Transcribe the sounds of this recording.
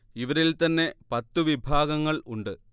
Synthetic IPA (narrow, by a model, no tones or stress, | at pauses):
iʋɐɾilt̪ɐnːe̞pɐt̪ːuʋibʱaːɡɐŋːɐɭuɳɖɨ